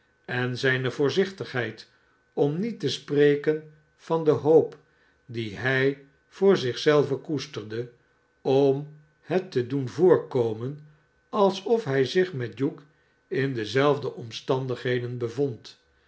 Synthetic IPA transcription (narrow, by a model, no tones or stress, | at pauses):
ɛnzɛjnəvʊːɹzɪχtəχɦɛjt | ɔmnitəsprejkən | fɑndəɦowp | diɦɛj | v̥ʊːɹzɪχsɛlˠvəkustəɹdə | ɔm | hətːədunvʊːɹkowmən | ɑlˠsɔfɦɛjzɪχmɛt̚juk | ɪndəzɛlˠvdəʔɔmstɑndəχɦejdənbəvɔnt